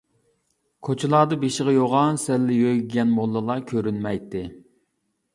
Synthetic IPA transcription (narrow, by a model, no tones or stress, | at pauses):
kʰot͡ʃʰilˠɑːd̪ɨbeʃɪʁɨjoʁɑnsɛlːɪjøiɡʲɛnmolˠːɨlˠɑkʲʰøɾynmɛjt̪ːɪ